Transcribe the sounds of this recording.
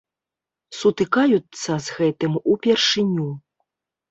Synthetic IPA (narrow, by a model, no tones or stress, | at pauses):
sut̪ɨkajut̪sːɐzɣɛt̪ɨmupʲɛrʂɨnʲu